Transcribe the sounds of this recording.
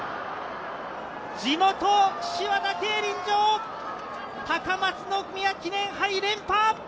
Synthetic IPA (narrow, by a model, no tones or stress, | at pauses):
d͡ʑimot̪oɕiβad̪ake̞ːɾʲĩɲd͡ʑoː | t̪akamat͡sɨnokɯmʲiakʲinẽ̞ɰ̃ɦaiɾẽ̞mpaː